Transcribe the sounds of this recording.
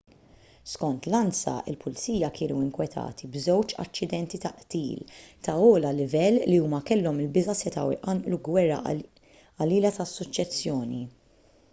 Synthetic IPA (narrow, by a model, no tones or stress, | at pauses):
skɔnt̪lɐnsɐ̰ʔɪ̰lpʰʊlt͡siːjɐkʰɪːnuɪŋkwɛt̪ʰɐ̰ːt̪ʰibzɛwt͡ʃɐ̰t͡ʃːɪd̪ɛnt̪it̪ɐʔt̪iːlt̪ɐɔːlɐlɪvɛlːiuːmɐkɛlːɔmɪlbɪzɐsɛt̪ɐ̰wʔɐnʔluɡwɛrːɐ̰ | ɐliːlɐt̪ɐsːɔt͡ʃːɛsːjɔːnḭ